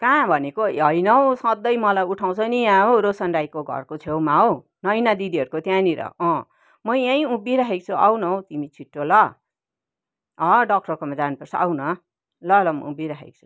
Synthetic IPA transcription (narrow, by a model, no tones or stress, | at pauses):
kãbʱʌnekoɦʌjnʌõsʌd̪ʌjmʌlajuʈʰaw̃t͡sʰʌnijãɦoɾosʌnɖajkoɡʱʌ̰rkot͡sʰewmaɦo | nʌjnad̪id̪iɦʌɾukot̪jãniɾʌ̰ʌ̃ | mʌjãĩũbiɾaɦek̚t͡sʰuʔawnʌw̃t̪imit͡sʰiʈːolʌ | ʌɖʌk̚ʈʌrkomad͡zanupʌrsʰʌa̰wnʌ | lʌlʌmʌ̰ũbiɾaɦḛk̚t͡sʰu̥